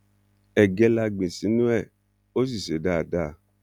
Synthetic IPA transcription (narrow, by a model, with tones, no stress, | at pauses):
ɛ˨ɡɛ˧la˧ɡ͡bĩ˨sĩ˨˦nũ˦ɛ˦˨ | o˦s̬i˦˨ʃe˨˦da˦˨da˦˨